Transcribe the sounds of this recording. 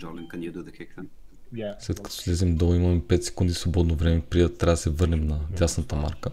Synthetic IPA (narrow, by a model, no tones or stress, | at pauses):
d͡ʒɔlɛnkɐnjɛd̪ud̪əkʰɛkɐn | slɛt̪kɐt̪ɔ̥lɛzɛmd̪oimɐmɛpɛt̪sɛ̥kund̪isvobɔd̪novɾɛmɛpɾiət̪ːɾabd̪ɐsɛvɤɾnɛmnɐd̪ʲasnət̪əma̰ɾkə